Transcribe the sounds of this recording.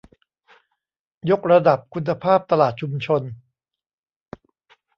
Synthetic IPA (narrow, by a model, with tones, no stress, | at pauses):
jo˦˥k̚ɾa˧da˨˩p̚kʰu˧nːa˧pʰaː˥˩p̚t̪a˧laː˨˩t̪̚t͡ɕʰu˧mt͡ɕʰo˧n